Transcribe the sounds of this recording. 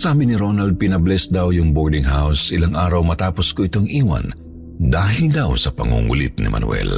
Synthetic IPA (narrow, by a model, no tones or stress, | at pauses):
saːbɪnɪɾonɐld̪̚pɪnɐblɛsd̪awjʊŋboɹd̪ɪŋɦawsʔɪlaŋʔaːɾɐwmɐt̪aːposkoʔɪt̪o̞ŋʔiːwɐ̰n | d̪aːɦɪld̪awsɐpɐ̰ŋṵŋṵlɪt̪̚nɪ̰mʔɐ̰nwɛ̰l